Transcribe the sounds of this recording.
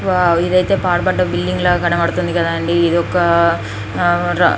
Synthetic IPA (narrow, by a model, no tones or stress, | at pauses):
ʋaiðɐjt̪ːeːpaːɾpɐʈːɐbilːɖiŋɡɐɭɐkɐɽɐmɐɽɐt̪ːund̪ikːɐðaːɳɖiːðokːɐ | ɾ̰